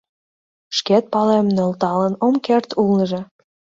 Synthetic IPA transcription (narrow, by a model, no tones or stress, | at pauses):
ʃket̪̚pɑlemnølt̪ɑlənomkert̪ulnəʒe